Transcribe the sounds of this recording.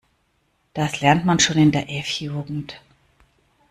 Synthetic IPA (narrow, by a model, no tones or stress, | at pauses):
d̥aslɛɐntmanʃoːnɪndeːɐʔɛfjuːɡŋ̩t